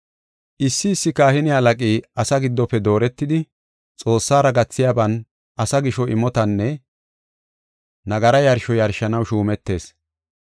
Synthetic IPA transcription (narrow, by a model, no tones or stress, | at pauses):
ʔɪsːɪːsːɪkaːhɪnɪɐlɐkʼiːɐsɐɡɪd̪ːɔpːɛd̪o̞ːɾɛt̪ːɪd̪ɪ | t͡sʼo̞ːsːaːɾɐɡɐt͡sːɪjaːbɐn | ʔɐsɐɡɪʃɔʔɪmɔt̪ɐnːɛ | nɐɡɐɾɐjɐɾʃɔjɐɾʃɐnɐwʃuːmɛt̪ːe̞ːs